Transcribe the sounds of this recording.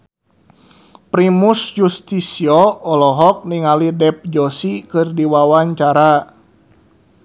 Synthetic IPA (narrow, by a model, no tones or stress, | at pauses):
pɾimusjust̪isiɔːlɔɦɔk̚niŋalidɛp̚d͡ʒɔsikɨrdiwawaɲt͡ʃaɾa